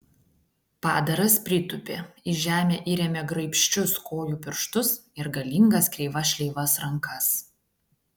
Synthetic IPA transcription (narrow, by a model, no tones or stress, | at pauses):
pɑ̰ːd̪ɐɾɐspʲɾʲɪt̪ʊpʲeːɪʒʲæːmʲeːʔiːɾʲɛmʲɛɡɾɐɪpʲʃʲt͡ʃʲʊskoːjuːpʲɪɾʃt̪ʊsɪɾɡɐlʲɪŋɡɐskɾʲɛɪʋɐʃʲlʲɛɪʋɐsɾɐŋkʰɐs